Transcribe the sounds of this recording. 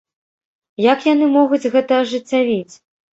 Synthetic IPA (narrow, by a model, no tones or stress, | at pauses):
jakjanɨmɔɣud͡zʲɣɛt̪ɐːʐɨt͡sʲːavʲit͡sʲ